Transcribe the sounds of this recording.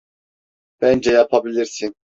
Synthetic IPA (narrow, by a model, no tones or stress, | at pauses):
b̥ænd͡ʒɛjapʰabilʲiɾsin